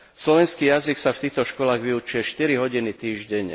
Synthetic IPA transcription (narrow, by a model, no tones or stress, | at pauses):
slɔʋɛnskiːjaziksaft̪iːxt̪ɔʃkɔlaːɣʋiut͡ʃʊjɛʃt̪iɾiɦɔɟinit̪iːʒɟɛɲ